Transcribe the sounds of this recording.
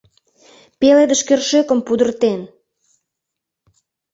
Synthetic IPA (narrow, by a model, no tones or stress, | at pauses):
peled̪əʃkørʃøkə̆mpud̪ə̆rt̪en